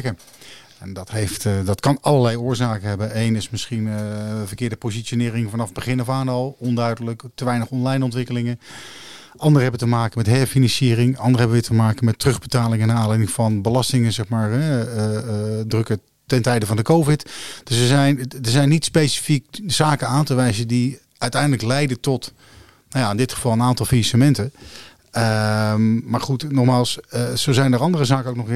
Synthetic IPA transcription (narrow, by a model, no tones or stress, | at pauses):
kə | ɛndɑtɦejftdɑtkɑnɑlˠəɹlɛjʊːɹzaːkəɦɛbənejnɪsmɪsχinvəɹkɪːɹdəpozitʃonɪːɾɪŋvɑnɑvbəχɪnɔfaːnɑlˠɔndœɥdələktəʋɛjnəχɔnlɛjnɔntʋɪkəlɪŋən | ɑndərəɦɛbətəmaːkəmɛtɦɛɹfinɑnsiːrɪŋɑndəʁəɦɛbəʋɪtəmaːkəmɛtrɵχbətaːlɪŋɛnaːnlɛjdɪŋv̥ɑnbəlɑstɪŋənzɛχmaːɹɛ | drɵkə | tɛntɛjdəvɑndəkowvɪtd̥ɵsəzɛjndəɹzɛjnitspejsi̥fikz̥aːkənaːntəʋɛjzəndi | œɥtɛjndələklɛjdətɔt | nawjaɪndɪtχəv̥ɑlˠənaːntɑlˠfisamɛntə | ə | maːɹχutnɔχmaːlˠssowzɛjndəːɹɑndərəzaːkənowknɔχ